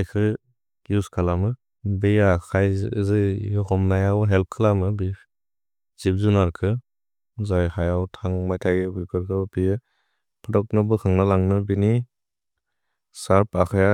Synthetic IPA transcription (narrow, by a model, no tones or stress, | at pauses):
ajkʰɯ | ɡiuskʰalamɯ | bejakʰajzɯjɯhɔmnajawɦelp̚kʰɯlamɯbi | zip̚zunaɾkʰɯ | zajhajawtʰaŋmajtʰaɡbikʰɯɾkʰɯpijɯ | pʰɯdɔk̚nɯbɯkʰɯŋnalaŋnɯbini | saɾpakʰaja